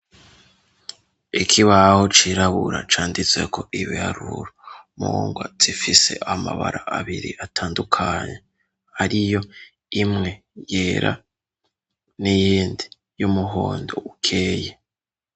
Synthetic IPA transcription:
ikʰiβaho̞t͡ʃiɾaβuɾa̰t͡ʃaːndit͡se̞̰kʰo̞ʔiβihaɾuɾomuŋɡwaz̥ifise̞ʔamaβa̰ɾʔaaβiɾiatʰaːndukʰaɲe̞ | haɾijo̞ | imŋe̞ | jeɾʔa̰ | nijiːndi | jumuɦoːndo̞ukʰeːje

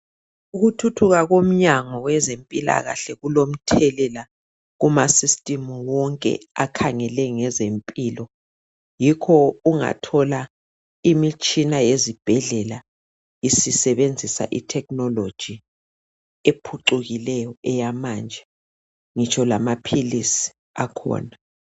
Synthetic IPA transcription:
uɣutʰutʰuɣaɣom̩ɲaŋɔwɛzempʼila̰ɣa̰ɬɛɣulom̩tʰɛlɛla | ɣumasistʼimuwɔŋkʼɛ̰a̰kʰaŋɛlɛŋɛzempʼilɔ | jikʰɔuŋa̰tʰɔla | imit͡ʃʼinajezib̥ʱɛɮɛla | isisɛβend͡zʱisa̰ʔḭtʰɛknɔlod̥ʒ̥ʱi | epʰuǃuɣilɛjɔɛjamaːnd͡ʒʱɛ | ŋit͡ʃʰɔlamapʰilisi̥ | akʰɔ̰ːna

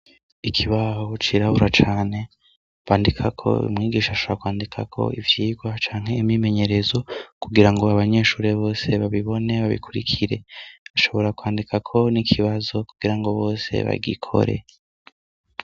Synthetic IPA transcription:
ikʰiβaho̞t͡ʃiɾaβuɾat͡ʃaːne̞ | βaːndikʰakʰo̞̰ṵmŋiːɡiːʃaβaʃoβɾakwaːndikʰakʰo̞̰ivjiːɡwat͡ʃaːŋɦe̞imime̞ɲe̞ɾe̞zo̞kuɡiɾaŋɡo̞aβaɲe̞ːʃuːɾeβo̞ːse̞βaβiβo̞ne̞βaβḭkʰuɾḭkʰiɾe̞βaʃo̞βo̞ɾakwaːndikʰakʰo̞nikʰiβazo̞kuɡ̥iɾaŋɡo̞βo̞ːse̞̰βa̰ɡḭkʰo̞̰ɾe̞̰

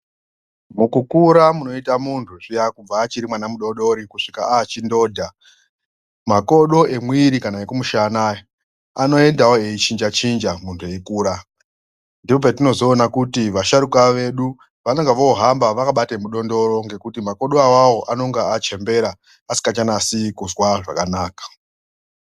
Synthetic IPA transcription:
mukukuɾamuno̞itamuntʰuʐijakub͡vaːt͡ʃiɾimwanamuɗo̞ɗo̞ɾikuʂikaaːt͡ʃindo̞ːdʱa | mako̞ɗo̞e̞mwiɾikanaekumuʃana | ano̞e̞ndawoe̞it͡ʃind͡ʒat͡ʃind͡ʒamuntʰue̞ikuːɾa | ndipopatino̞zo̞ːnakutiʋaʃaɾukaʋe̞ɗu | ʋano̞ŋɡaʋoːɦambaʋakaɓatemuɗo̞ndo̞ɾo̞ŋɡe̞kutimako̞ɗoawawo̞ʔano̞ŋɡaat͡ʃe̞mbe̞ɾa | asi̥kat͡ʃanasikuzwaʐa̰kanaːkḁ

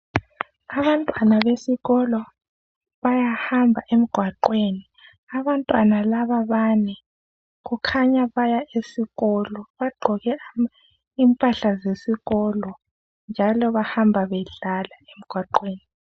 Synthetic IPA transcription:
aβantʼwanaβesiɣɔlɔ | βajahambʱaʔem̩ɡ̥ʱwaǃweni | aβantʼwanalaβaβanɛ | ɣukʰaɲaβajaʔesiɣɔlɔβaɡ͡ǃʱɔɣɛ | impʼaɬazesiɣɔlɔ | nd͡ʒʱalɔβahambʱaβɛɮalaem̩ɡ̥ʱwaǃweːni

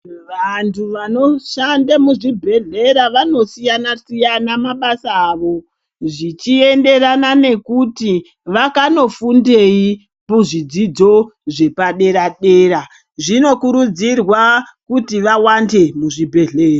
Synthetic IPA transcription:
ʋantʰuʋano̞ʃandamuʐibʱe̞ɮe̞ɾaʋano̞sijanasijanamaɓasaːʋo̞ | ʐit͡ʃie̞nde̞ranane̞kuti | ʋakano̞funde̞i | puʐid͡zid͡zo̞ʐe̞paɗe̞ɾaɗe̞ɾa | ʐino̞kuɾud͡zirwakutiʋawande̞muʐibʱe̞ɮeːra

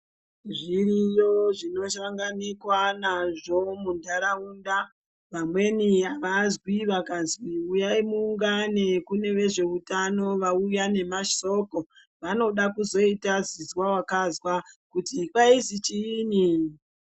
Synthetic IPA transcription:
ʐiɾijoʐino̞ʃaŋɡanikwanaʐo̞mundʱaɾauːnda | ʋamwe̞niaʋazwiʋakazwiujaimuːŋɡanekune̞ʋe̞ʐe̞utano̞ʋaujane̞maʃo̞ko̞ | ʋano̞ɗakuzo̞itazizwawakazwakutikwaizit͡ʃini

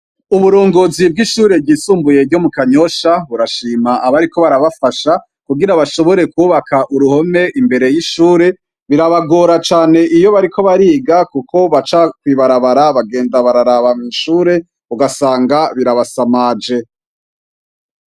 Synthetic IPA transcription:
uβuɾoːŋɡo̞ːzib̚ɡiʃuːɾe̞b̚ɟiːsuːmbuje̞ɾɟo̞mukaɲo̞ʃaβuɾaʃiːmaʔaβaɾiko̞βaɾaβafaʃa | kuɡiɾaβaʃo̞βo̞ɾe̞kuːβakʰaʔuɾuho̞me̞ʔimbe̞ɾe̞jiʃuːɾe̞ | βiɾaβaɡo̞ːɾat͡ʃaːne̞ʔijo̞βaɾikʰo̞βaɾiːɡakuko̞βat͡ʃakwiβaɾaβaɾaβaɡe̞ːndaβaɾaɾaβamiːʃuːɾe̞ | βuɡasaːŋɡaβiɾaβasamaːd͡ʒe̞

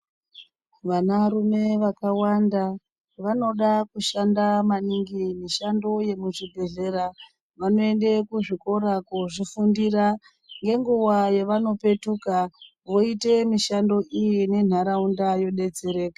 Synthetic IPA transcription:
ʋanaɾume̞ʋakawanda | ʋano̞ɗakuʃandamaniŋɡimiʃando̞je̞muʐibʱe̞ɮe̞ɾa | ʋano̞e̞nde̞kuʐiko̞ɾakuʐifundira | ŋɡe̞ŋɡuʋajeʋano̞pe̞tuka | ʋo̞ite̞miʃando̞ijine̞n̤aɾaundajo̞ɗe̞d͡ze̞ɾe̞ːkḁ

